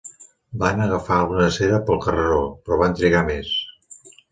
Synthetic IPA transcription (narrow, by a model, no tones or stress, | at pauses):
banəɣəfaəlˠɣunəseɾəpəlˠkərəɾopɾɔβant̪ɾiɣames